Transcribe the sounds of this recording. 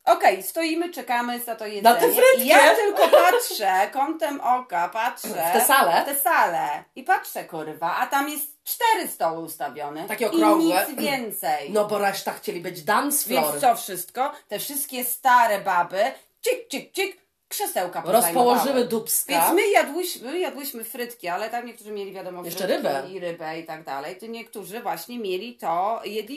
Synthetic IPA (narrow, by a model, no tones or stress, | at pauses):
ɔkɛjst̪ɔjimɘt͡ʂɛkamɘzat̪ɔjɛatɛɛvɾɛjat̪ɘlkɔpatʂɛkɔnt̪ɛmʔɔkapatʂɛɛsalɛt̪ɛsalɛipatʂɛkuɾvaʔat̪amjɛst̪t͡ʂt̪ɛɾɘst̪ɔwɛust̪abʲjɔnɛt̪akʲɛɔkiɾɔɲiɛszvʲjɛnt̪sɛjnɔbɔɾɛʂt̪axt͡ɕelʲibɘd͡ʑd̪amsfvjɛnɔnɾɔfʂɘst̪kɔt̪ɛfʂɘst̪̚kʲɛst̪aɾɛbabɘ | t͡ɕik̚t͡ɕik̚t͡ɕik | kʂɛsɛwkapɔɾɔsajpɔwɔʐɘmɘd̪upskvjɛnasmɘjad̪wɘɕmɘjad̪wɘɕmɘfɾɘt̪kʲialɛt̪amɲɛk̚t̪uʐɨmʲjelʲivʲjad̪ɔmɔjɛʂɛɾɘvɛiɾɘbɛit̪aɡd̪a̰lɛjt̪ɔɲɛkt̪uʐɘvwaɕɲɛmʲjelʲit̪ɔjɛd̪lʲi